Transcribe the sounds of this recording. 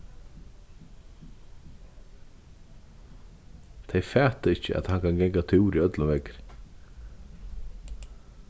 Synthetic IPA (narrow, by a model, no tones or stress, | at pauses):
t̪ʰejfɛːt̪ɪɪhcə̰ʔæ̰t̪hankʰanɡɛŋkat̪ʰuwɾiœt̪lavɛkɾ